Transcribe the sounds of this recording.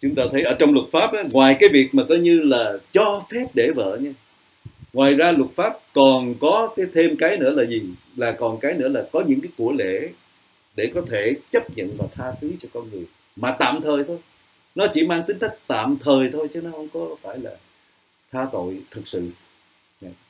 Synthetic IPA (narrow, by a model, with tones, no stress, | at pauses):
t͡ɕʊ˨˦ŋ͡mt̪aː˧t̪ʰə˨˦jʔəː˧˩t͡ɕɔ˧wŋ͡mlwʊ˨˩t̚faː˦˥p̚ʔaː˨˦ŋwaː˨˩jkaː˨˦jvi˨˩ək̚maː˨˩kɔ˨˦ɲɨ˧laː˨˩t͡ɕɔ˧fɛ˦˥p̚ɗe˧˩və̰ː˧˨ɲaː˧ | ŋwaː˨˩jzaː˧lwʊ˨˩t̚faː˦˥p̚kɔ˨˩nkɔ˨˦kaː˨˦jt̪ʰe˧mkaː˨˦jnɨ̰˧˥əlaː˨˩zi˨˩ | laː˨˩kɔ˨˩nkaː˨˦jnɨ̰˧˥əlaː˨˩kɔ˨˦ɲɨ̰˧˥ŋkaː˨˦jku˧˩əlḛ˧˥˨ | ɗe˧˩kɔ˨˦t̪ʰe˧˩t͡ɕə˦˥p̚ɲə̰˧˨nvaː˨˩t̪ʰaː˧xi˨˦t͡ɕɔ˧kɔ˧nŋɨ˨˩əj | maː˨˩t̪a̰ː˧˨mt̪ʰəː˨˩jt̪ʰo˧j | nɔ˨˦t͡ɕi˧˩maː˧ŋt̪ï˨˦ŋ̟t̪ʰə˦˥k̚t̪a̰ː˧˨mt̪ʰəː˨˩jt̪ʰo˧jt͡ɕə˨˦nɔ˨˦hə̰˧˨wŋ͡mkɔ˨˦faː˧˩jlaː˨˩ | t̪ʰaː˧t̪o̰˧˨jt̪ʰɨ˨˩k̚sɨ̰˧˨ | ɲa˧˩